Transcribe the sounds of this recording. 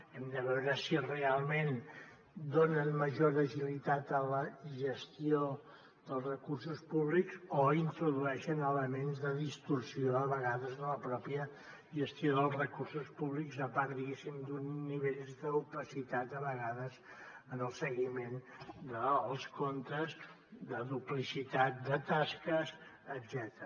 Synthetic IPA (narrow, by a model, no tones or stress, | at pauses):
ɛmd̪əβɛwɾəsirealˠmen | d̪onənməʒoɾəʒilit̪at̪ələʒəst̪io | ðəlˠzrəkursuspuβlikzoint̪ɾuðuɛʃənələmenzðəðist̪uɾsioəβəɣaðəzðələpɾɔpjə | ʒəst̪ioðəlˠzrəkursuspuβlikzəpaɾt̪d̪iɣesimd̪unːiβeʎd̪əupəsit̪at̪əβəɣaðəz | ənəlˠsəɣimend̪əːlˠskont̪əz | d̪əðuplisit̪at̪̚d̪ət̪askəzəd̪zɛt̪əɾ